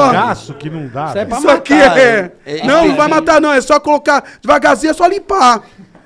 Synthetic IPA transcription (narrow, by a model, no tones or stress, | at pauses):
asʊkɪnɐ̃w̃d̪aisakiɛɛnɐ̃w̃ñvajmat̪anɐ̃w̃ɛsɔkolokad͡ʒɪvaɡazĩɐsɔlĩpa